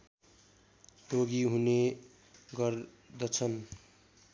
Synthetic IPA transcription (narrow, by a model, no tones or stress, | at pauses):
roɡiɦune | ɡʌr | d̪ʌt͡sʰʌn